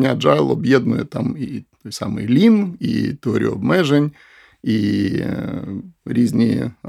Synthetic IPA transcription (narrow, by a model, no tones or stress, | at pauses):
nʲad͡ʒɑjlˠɔbjɛd̪nʊjɛ̰t̪ɑmit̪ojsɑmɨ̰jlʲinḭt̪eɔɾʲḭuʊɔbmɛʒenʲ | i | ɾʲizʲnʲḭ